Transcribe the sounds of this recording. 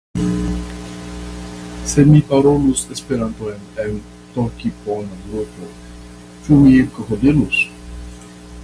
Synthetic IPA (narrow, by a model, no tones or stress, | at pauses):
se̞mipaɾolusespeɾant̪ojnen | t̪okiponad̪ɾuto | t͡ʃumielkəhod̪ilus